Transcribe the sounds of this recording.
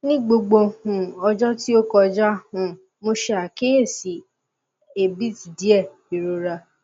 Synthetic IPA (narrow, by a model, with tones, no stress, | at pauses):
nĩ˦ɡ͡bo˧ɡ͡bo˧˨hũ˨ɔ˧d͡ʒɔ˦ti˦o˦kɔ˧d͡ʒa˦˨hũ˨˧˨ | mo˧ʃe˧a˨ke˦e˦˨si˨ | e˨bi˦ti˨di˨˦ɛ˦˨bi˨ɾo˨ɾa˧